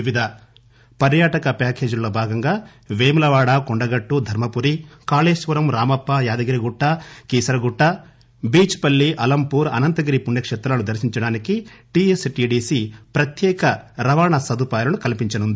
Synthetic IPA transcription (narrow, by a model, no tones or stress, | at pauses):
iʋid̪ʱɐ | pɐɾjaːʈɐkɐpaːkeːd͡ʒuloːbʱaːɡɐŋɡaː | ʋeːmlɐʋaːɽaːkɔɳɖɐɡɐʈːud̪ʱɐɾmɐpuɾikaːleːʃʋɐɾɐmɾaːmɐpːajaːd̪ɐɡɐɾiɡuʈːaːkiːsɐɾɐɡuʈːa | biːt͡ʃpɐlːiʔɐlɐmpuːɾɐ̰nɐnt̪ɐɡɐɾipuɳɖjɐkʂɛt̪ɾaːnud̪ʱɐɾsiɲt͡ʃɐɽaːnikiʈiːesʈiːɖiːsipɾɐt̪jɛːkɐɾɐʋaːɳɐsɐd̪upaːjɐlɐnukɐlipiɲt͡ʃɐnund̪i